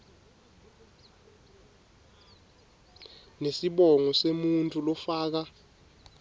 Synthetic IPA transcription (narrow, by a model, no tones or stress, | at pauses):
nesiɓɔŋɔsemuntʼulɔfaːk̬a